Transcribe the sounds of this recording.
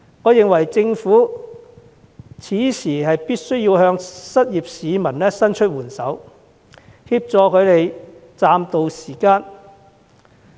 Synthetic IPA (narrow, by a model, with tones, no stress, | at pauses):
ŋɔː˨˧jɪ˨ŋwɐ˨˩jt͡sɪ˧ŋfuː˨˥ | t͡sʰiː˨˥sʰiː˨˩hɐ˨jpiː˥t̚sɵ˥ɥjiː˧whœː˧ŋsɐ˥t̚jiː˨p̚siː˨˧mɐ˨˩nlɛː˥sɐ˥nt͡ʃʰɵ˥t̚wuː˨˩nsɐ˨˥w | hiː˧p̚t͡sɔː˧kʰɵ˨˧ɥt̪e˨jt͡saː˧mt̪o˨wsiː˨˩kaː˧n